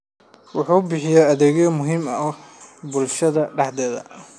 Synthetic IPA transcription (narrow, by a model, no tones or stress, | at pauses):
wʊħuːbɪħɪjɛɐðɛːɣɐmʊɦiːmɐʔbʊlʃɐðɐɖɑħd̪ɛːðɐ̰